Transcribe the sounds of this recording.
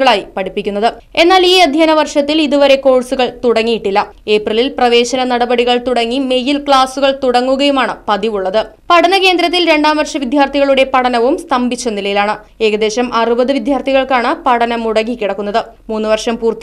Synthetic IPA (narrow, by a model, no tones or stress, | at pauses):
ɣɐɭaːjipɐɽipːikʲːunːɐðɨ | e̞nːaːliːɐd̪ʱjaːnɐʋɐrʂɐt̪ːiliðuʋɐɾe̞ko̞ːɻsuɣɐɭt̪uɽɐŋːijiʈːilːɐe̞ːprililprɐʋe̞ːɕɐnɐnɐɽɐbɐɽiɣɐɭt̪uɽɐŋːime̞jilkɭaːsuɣɐɭt̪uɽɐŋːuɣɐjumaːɳɨpɐðiʋuɭːɐðɨpɐɽɐnɐke̞ːnd̪ɾɐt̪ːilɾe̞ɳɖaːmʋɐrʂɐmʋid̪ʱjaːrt̪ʰiɣɐɭuɽe̞pɐɽɐnɐʋumst̪ʰɐmbʱit͡ɕːɐnilɐjilaːɳɨ | e̞ːɣɐd̪e̞ːɕɐmʔɐrubɐðɨʋid̪ʱjaːrt̪ʰiɣɐɭkaːɳɨpɐɽɐnɐmuɽɐɣikʲːiɽɐkːunːɐðɨmuːnːuʋɐrʂɐmpuːrt̪